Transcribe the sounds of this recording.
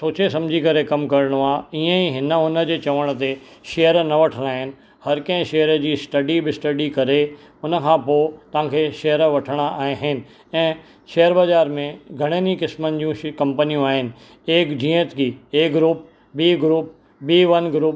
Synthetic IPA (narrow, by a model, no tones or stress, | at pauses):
soːt͡ɕesɐ̃md͡ʑʱikɐɾekɐmkɐɾɽ̃oaːiə̃iɦɪnəʊnə̆d͡ʑeːt͡ɕɐʋəɽ̃ə̆t̪eʃeɦəɾnɐʋɐʈʰəɽ̃aːɦɪnɪ̆ | hɐɾkɐ̃ɦɪ̃ʃeɦəɾəd͡ʑiːsʈɐɖibɪsʈɐɖikɐɾe | ʊnə̆kʰãːpoːt̪ɐʋ̤ãkʰeʃeɦəɾʋɐʈʰəɽ̃aaːɦɦɪnɪ̆ | ɛ̃ː | ʃɐɦəɾbɐzaːɾmẽɡʱɐɽ̃ənikɪsmənɪ̆d͡ʑiũkɐ̃mpənijũaːɦɪnɪ̆ | eːkd͡ʑĩːə̃t̪ʰɡiːeːɡɾuːp̚ | biːɡɾuːp̚ | biːʋɐnɡɾuːp